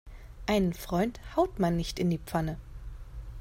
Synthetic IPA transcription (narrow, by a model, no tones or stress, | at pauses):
ʔaɪnənfʁ̥ɔʏnthaʊtmanːɪçtɪndiːp͡fanə